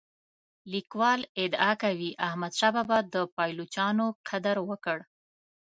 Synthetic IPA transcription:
likwɑlɪd̪ɑkawiʔahmad̪ʃababad̪əpɑjlot͡ʃɑnoqʰad̪aɾwəkəɽ

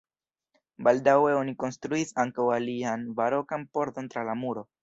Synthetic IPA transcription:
baldawe̞o̞niko̞nstɾuisaŋkawalianvaɾo̞kanpo̞ɾto̞ntɾalamuɾo̞

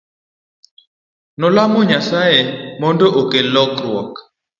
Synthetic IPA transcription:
nɔlamoɲasajɛmɔndɔʔokelɔkɾwɔk

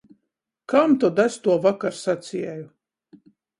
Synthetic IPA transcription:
kamt̪ɔd̪asʲt̪uɔvakaɾsat̪sʲiɛju

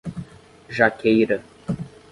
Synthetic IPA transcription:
ʒakʰejɾɐ

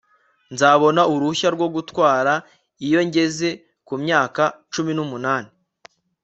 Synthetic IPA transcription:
nzaβo̞nauɾuçaɾɡwo̞ɡutwaːɾa | ijo̞ɲɟe̞ze̞ | kumɲaːkat͡ʃuminumunaːne

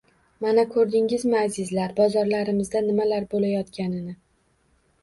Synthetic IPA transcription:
manakʰɵɾd̪ɪŋɪzmɪazɪzlaɾbɒzɒɾlaɾɪmɪzd̪anɪmalaɾbolajɒt̪kʲanɪnɪ

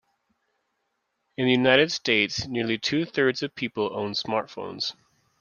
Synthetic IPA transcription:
ɨ̃nðɨjʉnaɪɾɨd̥steɪtsnɪɹlˠitʰʉθɜ˞dz̥ʌv̥pʰipl̩ˠõ̰ʊ̃nsmɑɹtfõ̰ʊ̃nz̥

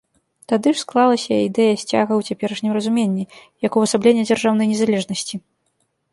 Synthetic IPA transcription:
t̪ad̪ɨʂsklˠalˠɐsʲɐid̪ɛjɐsʲt͡sʲa̰ɣɐwt͡sʲapʲɛɾɐʂnʲimrɐzumʲenʲːijɐkuɐsablʲenʲːɐd͡zʲarʐawnɐjnʲɛzalʲɛʐnɐsʲt͡sʲi

